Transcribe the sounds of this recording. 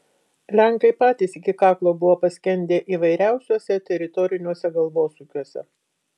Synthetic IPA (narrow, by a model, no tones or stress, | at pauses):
lʲæŋˑkɐɪpɑːt̪ʲiːsɪkʲɪkɑːklˠoːbʊʋoːpɐsʲkʲɛnʲd̪ʲeːʔiːʋɐɪɾʲæˑʊsʲuɔsʲɛt̪ʲɛɾʲɪt̪ɔɾʲɪnʲuɔsʲɛɡɐlˠʋoːsuːkʲuɔsʲɛ̰